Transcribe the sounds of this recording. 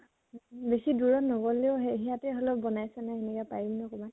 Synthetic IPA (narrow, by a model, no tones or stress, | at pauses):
besiduɹɔnɔbɔleʊɦeɦijatɛɦɔlɔp̚bɔnajsɛnaenikapaɹimnɔkɔba